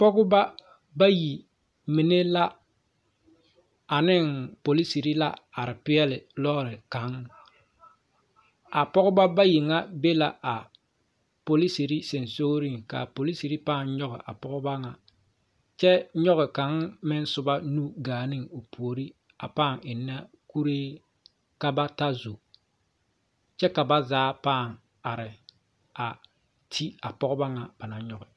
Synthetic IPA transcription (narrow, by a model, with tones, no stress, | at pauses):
pɔ˦ɡʊ˦ba˦ | ba˦ji˨ | mi˨ne˦la˦ | a˨nɪ˦ŋpo˨li˦si˨ɾi˦la̰˦a˨ɾɪ˨pɪ˦ɛ˦lɪ˨lɔ˦˨ɾɪ˨ka˨˦ŋ | a˨pɔ˦ɣʊ˦ba˦ba˦ji˨ŋa˦be˦la˨ʔa˨ | po˨li˦si˨ɾi˦se˨nso˦ɡɾi˦ŋka̰˨po˨li˦si˨ɾi˦paː˦˨n˦ɲɔ˦ɣɪ̰˨ʔa̰˨pɔ˦ɣʊ˦ba˦ŋa˨ | t͡ʃɛ˦ɲɔ˦ɣɪ˨ka˨˦ŋmɪ˦n˦sʊ˦ba˦nu˦ɡaː˨nɪ˦ŋo˨pʰu˨o˨ɾi˦ | a̰˨paː˦˨ŋɪ˨nːa˦ | ku˦ɾeː˦ | ka˨ba˦ta˦zu˨ | t͡ʃɛ˦ka˨ba˦zaː˦paː˦˨ŋ | a˨ɾɪ˨ | a˨ | tʰi˦a˨pɔ˦ɣʊ˦ba˦ŋa˨b̥a˨na˨ɲɔ˦ɣɪ˨